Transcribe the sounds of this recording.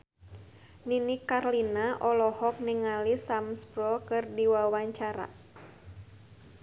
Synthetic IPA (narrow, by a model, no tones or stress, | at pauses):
ninikarlinaʔɔlɔhɔk̚niŋalisamspɾɔkɨrdiwawaɲt͡ʃaɾa̰